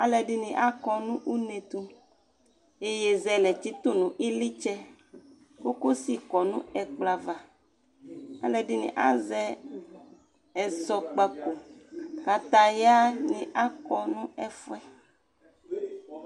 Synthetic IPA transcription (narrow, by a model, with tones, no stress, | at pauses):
a˨lɛ˨ɖi˦nĩ˨ʔa˦kɔ˨nũ˦ʔu˦nẽ˨t̪u˦ | e˦jɛ˨zɛ˨lɛ˨t̪i˦t̪o˦nũ˨ʔi˦li˦t͡ʃɛ˦ | ko˦ko˦si˦kɔ˨nũ˦ɛ˨k͡pla˨va˨ | a̰˦lɛ˨ɖi˦nḭ̃˨ʔa˦zɛ˦ | ɛ˨sɔ˨k͡pa˨ko˨ka˨t̪a˨ja˦nĩ˨ʔa˦kɔ˨nũ˦ɛ˦fwɛ˦